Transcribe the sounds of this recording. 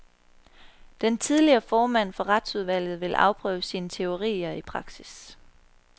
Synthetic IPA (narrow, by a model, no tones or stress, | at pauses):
d̥ent͡sʰiðˠliɐːfɒːmæn̰fɒ̽ʁɑd̥suð̞ˠʋæl̰ð̩ˠʋe̝lʔɑ̈ʊpʰʁœːʊəsiːnət͡sʰe̝o̝ʁḭːɐipʰʁɑ̈ɡ̥sis